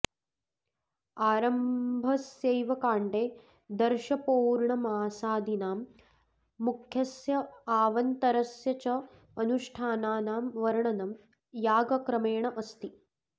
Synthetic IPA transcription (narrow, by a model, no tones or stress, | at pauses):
aːɾɐmbʱɐsjeːʋɐkaːɳɖeː | d̪ɐɾʃɐpoːɾɳɐmaːsaːd̪ʱinaːmː | ukʰjɐsjɐaːʋɐnt̪ɐɾɐsjɐt͡ʃɐ | ɐnuʂʈʰaːnaːnaːmʋɐɾɳɐnɐm | jaːɡɐkɾɐmeːɳɐʔɐst̪i